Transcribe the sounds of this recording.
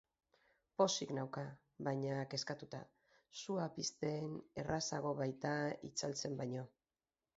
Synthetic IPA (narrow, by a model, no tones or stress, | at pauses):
po̞siknawka | βajɲake̞skat̪ut̪a̰ | suapist̪e̞ːne̞rasa̰ɣ̞o̞βajt̪aḭt͡salt͡se̞mbajɲo̞